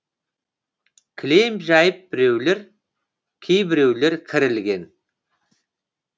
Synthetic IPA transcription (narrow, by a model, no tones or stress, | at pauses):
kʲʰɪlejmʒɑjəp̚bɪɾe̞wle̞ɾ | kʲʰejbɪɾe̞wle̞ɾkʲʰɪɾɪlɡʲe̞n